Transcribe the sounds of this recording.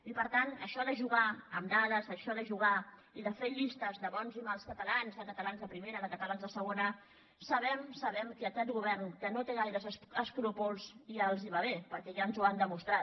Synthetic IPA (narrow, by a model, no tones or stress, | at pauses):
ipəɾt̪anəʃɔðəʒuɣaəmd̪aðəzəʃɔðəʒuɣ̞a | iðəfeʎist̪əzðəβɔnzimalˠskət̪əlanzðəkət̪əlanzðəpɾimeɾəðəkət̪əlanzðəsəɣ̞onə | səβɛmsəβɛmkəəkɛt̪ɣuβɛrnkənot̪eɣajɾəzəskɾupulˠziəlˠziβaβ̞epəɾkɛʒaənzuand̪əmust̪ɾa